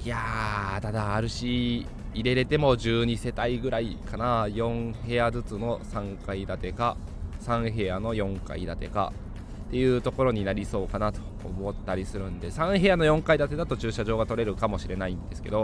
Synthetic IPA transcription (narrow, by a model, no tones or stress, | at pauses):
jad̪ad̪aːɾɯ̟ɕiː | ɾe̞ɾe̞t̪e̞mo̞ʑɨːɲ̟ise̞t̪aiɡɯ̟ɾaikʰanajõ̞ɰ̃he̞jazɨt͡sɨno̞sãŋkaid̪at̪e̞kasãɰ̃ɦe̞jano̞jõ̞ŋka̰ḭd̪at̪e̞̰ka̰ | t̪e̞jɯ̟ːt̪o̞ko̞ɾo̞ɲ̟inaɾʲiso̞ːkanat̪o̥̰ːmo̞t̪ːaɾʲisɨɾɯ̟̃nd̪e̞sãɰ̃ɦe̞jano̞jõ̞ŋkaid̪at̪e̞d̪at̪o̞t͡ɕɨːɕaʑo̞ːɡat̪o̞ɾe̞ɾɯ̟kamo̞ɕiɾe̞naĩnd̪e̞sɨ̥ke̞̰d̪o̞